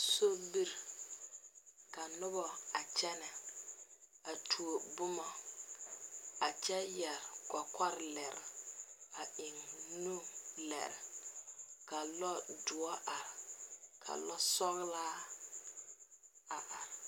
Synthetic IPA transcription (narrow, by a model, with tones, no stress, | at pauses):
so˦bi˦ɾ | ka˨nʊ˦bɔ˨a˨t͡ʃɛ˦nɛ˨ | a˨tʰu˨o˨bʊ˦ma˨ | a˨t͡ʃɛ˦jɛ˨ɾka˨ka˦ɾlɛ˨ɾɪ̰˨a˨ɪ˨ŋnu˦lɛ̰˨ɾɪ̰˨ | ka˨lɔ˦dʊ˨ɔ˦ʔa˨ɾkʰa̰˨lɔ˦sɔ˦ɣlaː˦ | a˨ʔa˨ɾ